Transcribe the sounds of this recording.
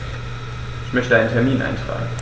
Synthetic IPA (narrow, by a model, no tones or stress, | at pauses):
ɪçmœçtədaɪnəntʰɛɐmiːnʔa̰ɪntʁ̥a̰ːɡŋ̩